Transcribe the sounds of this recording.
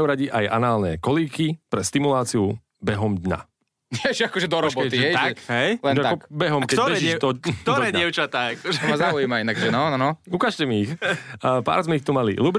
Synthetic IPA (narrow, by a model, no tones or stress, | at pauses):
uɾaɟiʔajʔa̰naːlnɛ̰kɔliːkipɾɛst̪imulaːt͡siu | bɛɦɔmd̪ɲa̰ | nɛʒɛakɔʒɛd̪ɔɾɔbɔt̪iɦɛj̪aɦɛjlɛnaaɔkbɛɦɔmkɛɾɛʒiɛt̪ɔt̪ɔɾɛːɛʊt͡ʃat̪aːakɔʒɛmazaujiːmainaɡʒɛnɔnnɔukaːʃcɛmiːxpa̰ːɾzmɛixt̪umalḭlubɾ